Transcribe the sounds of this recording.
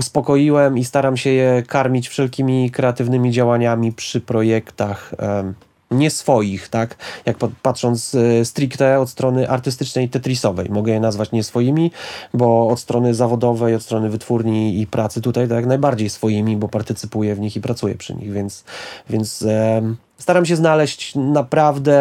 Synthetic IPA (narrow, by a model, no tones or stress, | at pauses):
uspɔkɔjiwɛmist̪aɾamɕɛjɛkaɾmʲit͡ɕfʂɛlkʲimʲikɾɛat̪ɘvnɘmʲid͡ʑawaɲamʲipʂɘpɾɔjɛkt̪ax | ɲɛsfɔjixt̪akjak̚ppat̪ʂɔnt̪sst̪ɾʲikt̪ɛɔt̪st̪ɾɔnɘʔaɾt̪ɘst̪ɘt͡ʂnɛjt̪ɛt̪ɾʲisɔvɛ̰jmɔɡɛjɛnazvat͡ɕɲɛsfɔjimʲibɔːt̪st̪ɾɔnɘzavɔd̪ɔvɛjɔt̪st̪ɾɔnɘvɘt̪fuɾɲiːpɾʔat̪sɘt̪ut̪ajt̪ɔjaknajbaɾd͡ʑejsfɔjimʲibɔpaɾt̪ɘt̪sɘpujɛvɲixipɾat̪sujɛ̰pʂɘ̰ɲḭɣvʲjɛnt̪svʲjɛnt̪s | st̪aɾamɕ̬ɛznalɛɕt͡ɕnapɾavd̪ɛ